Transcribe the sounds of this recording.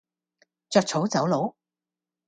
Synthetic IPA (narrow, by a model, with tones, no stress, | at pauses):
t͡ʃœː˧k̚t͡sʰo˨˥wt͡sɐ˨˥wlo˨˥w